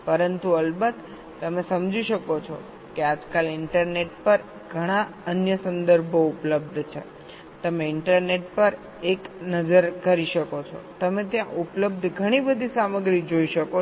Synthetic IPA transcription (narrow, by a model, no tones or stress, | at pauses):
pəɾənt̪uəlbət̪ː | əmesəmd͡ʒiʃəkot͡ʃʰɔ̰ | kead͡ʒkalɪɳʈəɾneʈpəɾ | ɡʱəɽ̃aənjəsənd̪əɾbʱoupləb̚d̪ʱt͡ʃʰe | t̪əmeɪɳʈəɾneʈ̚pəɾ | eknəd͡ʒəɾkəɾiʃəkot͡ʃʰɔ̰t̪əmet̪jãʔupləb̚d̪ʱɡʱəɽ̃ibəd̪ʱisaməɡɾid͡ʒoiʃəko